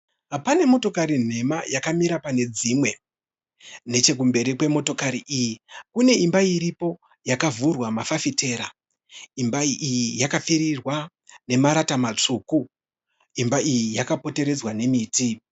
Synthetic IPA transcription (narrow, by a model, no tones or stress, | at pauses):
ɦapane̞mo̞to̞kaɾin̤e̞majakamiɾapane̞d͡zimwe̞ | ne̞t͡ʃe̞k̬umbe̞ɾikwe̞mo̞to̞kaɾiʔijikune̞imbaiɾipo̞ | jakavurwamafafite̞ːɾa | imbaiʔijijakafiɾirwa | ne̞maɾatamat͡ʂuːku | imbaijijakapo̞te̞ɾe̞d͡zwane̞miːti